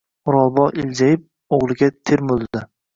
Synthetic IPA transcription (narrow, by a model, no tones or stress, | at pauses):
ʊɾɒlˠbɒʔɪld͡ʒajɪp̚ | oʁlˠɪɡʲat̪ʰeɾmolˠd̪ɪ